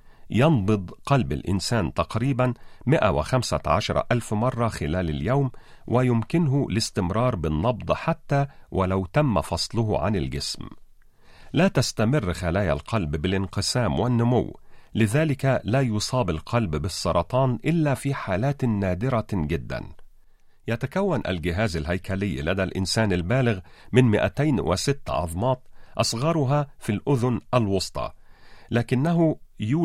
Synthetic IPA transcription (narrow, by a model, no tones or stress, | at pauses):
jɑnbɨd̪ˤqɑlba̰lʔɪ̰nsaːnt̪ɑqɾiːbanmɪʔa̰wɪ̰xamsa̰ʕa̰ʃɑɾˤɑ̰ʔalfmɑrˤːɑxɪlæːla̰ljawm | wʔɪjʊmkɪnɦʊlɪst̪ɪmɾˤɑːɾˤbɪnːɑbd̪ˤħat̪ːaːwʔalawt̪amːa̰fɑsˤlʊɦʕa̰nɪlɡɪsm | laːt̪ast̪amɪrːxalaːja̰lqʰɑlbbɪlɪnqɨsaːmwanːʊmʊ̰wːlɪðaːlɪkalaːjʊsˤɑːbalqʰɑlbbɪsˤːɑɾˤɑt̪ˤɑːnʔɪlːæːfiːħaːlaːt̪ːæːd̪ɪɾaɡɪd̪ːæ̰n | jæt̪akawːanʔa̰lɡɪɦaːzalhæjkælɪjːlad̪ælʔɪ̰nsaːnalbæːlɪɣmɪnmɪʔæ̰t̪ajnwʔɪ̰sɪt̪ːʕɑ̰ðˤmɑːt̪ʔɑsˤɣɑɾˤʊɦaːfilʔʊðʊnʔalwɑsˤt̪ˤɑ̰læːkɪnːaɦʊjuː